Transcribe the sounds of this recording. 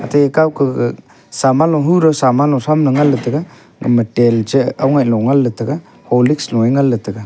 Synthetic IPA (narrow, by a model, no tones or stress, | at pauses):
a̰tʰajekawkʰɯ | samalɔɦuɾɔsamalɔsamlɯŋalːɯtʰɯɡa | ŋə̰məteld͡ʒəawŋajlɔŋalːɯtʰɯɡa | hɔliksnɔjŋalːɯtʰɯɡa